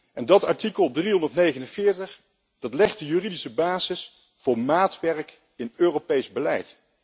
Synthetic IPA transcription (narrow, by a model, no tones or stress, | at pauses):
ʔɛndɑtɑɹtikəlˠdriɦɔndəɹtnejχənənvɪːɹtəχ | d̥ɑtlɛχt̚dəjyridisəbaːzɪs | fʊːɹmaːtʋɛrk | ɪnøːropejzbəlɛ̰jt